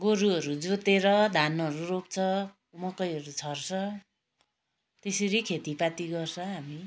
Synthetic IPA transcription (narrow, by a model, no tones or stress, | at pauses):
ɡoɾuʌɾud͡zot̪eɾʌd̪ʱanʌɾuropt͡sʰʌ | umʌkʌjʌɾut͡sʰʌrt͡sʰʌ | t̪eseɾikʰet̪ipat̪iɡʌrsʰʌɦami